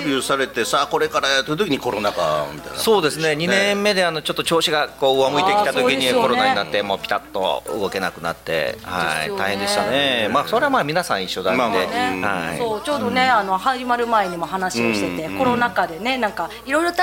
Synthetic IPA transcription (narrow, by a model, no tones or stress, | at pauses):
bʲusaɾe̞t̪e̞saːko̞ɾe̞kaɾat̪oɯ̟t̪o̞kʲiɲiko̞ɾonaka̰mʲitt̪a̰ḭnso̞ːd̪e̞sɨne̞ɲ̟innẽ̞mːe̞d̪e̞ano̞t͡ɕo̞t̪ːot͡ɕo̞ːɕiɡakoːɯamɯ̟it̪ekit̪at̪okʲiɲiko̞ɾo̞naɲ̟nat̪ːe̞mo̞ːpʲi̥t̪at̪ːo̞̰ɯ̰ɡo̞ke̞nakɯ̟na̰t̪ːe̞̰ha̰ḭaihend̪e̞ɕit̪anemaːso̞ɾe̞amaːmʲinasãɰ̃iɕːo̞d̪aad̪eha̰oːt͡ɕo̞ːd̪o̞ne̞ano̞haʑimaɾɯ̟mae̞ɲ̟imo̞ɦanaɕioɕit̪e̞t̪e̞kko̞nonakad̪e̞ne̞nãŋka | iɾo̞iɾot̪